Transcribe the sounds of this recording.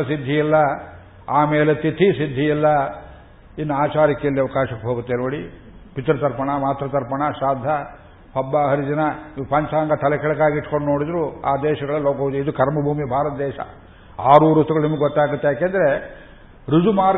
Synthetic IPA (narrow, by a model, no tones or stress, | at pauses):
ɐsid̪ʱːijilːɐ | aːmeːlet̪it̪ʰisid̪ʱːijilːɐ | inːuaːt͡ʃaːɾikɛjɐlːiɐʋɐkaːʃɐkːeɦoːɡut̪ːenoːɽi | pit̪ɾɐt̪ɐɾpɐɳɐmaːt̪ɾɐt̪ɐɾpɐɳɐʃaːd̪ʱɐ | pʰɐbːaɦɐɾid͡ʒ̪ɐnɐipɐɲt͡ʃaːŋɡɐt̪ʰɐlɛkɛɭɐkaːɡiʈkoɳɖno̞ːɽid̪ɾua̰ːd̪ɛːʃɐɡɐɭɐloːkɐʋud̪uid̪ukɐɾmɐbʱuːmibʱaːɾɐt̪ɐd̪ɛːʃɐ̰ | aːɾuːɾust̪uɡɐɭnimɐɡeɡɔt̪ːaːɡut̪ːejaːkeːnd̪ɐɾe | ɾud͡ʒumaːɾ